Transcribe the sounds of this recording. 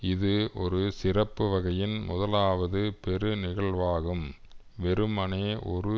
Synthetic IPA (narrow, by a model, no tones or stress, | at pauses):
ɪðɯʔɔɾɯsɪrɐpːɯʋɐɣɐjɪnmʊðɐlaːʋɐðɯpɛɾɯnɪɣɐɭʋaːɣɯm | ʋɛɾɯmɐneːʔɔɾɯ